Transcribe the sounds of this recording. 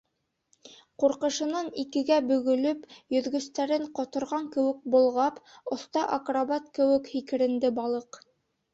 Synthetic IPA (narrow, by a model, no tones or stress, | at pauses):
quɾqɤ̆ʃɤ̆nɑnikɘ̆ɡæbɵ̆ɡɵ̆lɵpjɵ̆ðɡɵ̆st̪æɾɘɴqŏt̪ŏɾʁɑŋkɘ̆wɘ̆k̚bŏlˠʁɑpŏθt̪ɑʔakraβɑt̪̚kɘ̆wɘkhikɘ̆ɾɘ̆nd̪ɘbɑlˠɤq